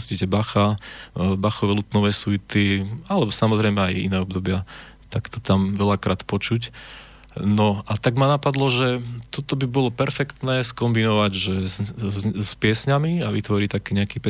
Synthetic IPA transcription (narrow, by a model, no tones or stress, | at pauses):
scicɛbaxa | baxɔʋɛlut̪nɔʋɛːsuit̪ialɛbɔsamɔzɾɛjmɛajḭnɛːɔbd̪ɔbɪa | t̪akt̪ɔt̪amʋɛʎakɾaːt̪pɔt͡ʃuc | nɔat̪aɡmanapad̪lɔʒɛt̪ɔt̪ɔbibɔlɔpɛɾfɛkt̪nɛːskɔmbinɔʋaɟʒɛ | spɪɛsɲamiaʋit̪ʋɔɾit̪akiːɲɛakiːpɛ